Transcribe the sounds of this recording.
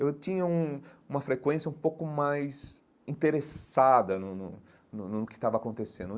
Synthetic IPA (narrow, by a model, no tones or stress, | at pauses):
ewtĩɲɐũũmɐfɾekwẽsjɐũpowkʊmajs | ĩt̪eɾesad̪ɐnʊnʊ | nʊnʊnʊkɪ̥st̪avɐakõnt̪esẽnd̪ʊ